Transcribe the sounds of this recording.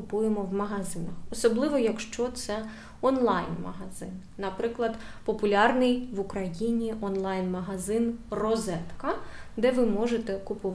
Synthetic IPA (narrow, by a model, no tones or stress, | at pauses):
ʊpujemɔwmɐɦɐzɪnɐxɔsɔblˠɪʋɔjɐkʃt͡ʃɔt̪sɛ | ɔnlˠɑjnmɐɦɐzɪ̰nːɐpɾɪklˠɐd̪ | pɔpʊlʲɑrnɪjʋʊkɾɐjinʲiʔɔnlˠɑjnmɐɦɐzɪnrɔzɛt̪kɐd̪ɛʋɪmɔʒet̪ɛkʊpʊʋ